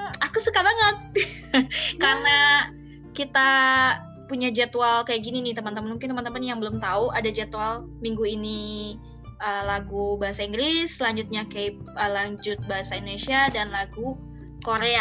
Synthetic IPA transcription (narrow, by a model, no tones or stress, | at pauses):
akusukabaŋət̪̚ | karna | kit̪a | puɲad͡ʒat̪uwalkajaʔɡininit̪əmant̪əmanmuŋkɪnt̪əmant̪əmanjaŋbəlʊmt̪auadad͡ʒɛt̪ual | miŋɡuini | ʔəlaɡubaɦasaiŋɡɾɪslaɲd͡ʒut̪̚ɲakap̚ | əlaɲd͡ʒʊt̪̚baɦasaindonesiadanlaɡu | koɾea